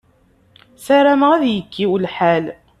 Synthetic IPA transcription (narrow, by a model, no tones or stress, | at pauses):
sæɾæməʁæðjəkːiwlħæl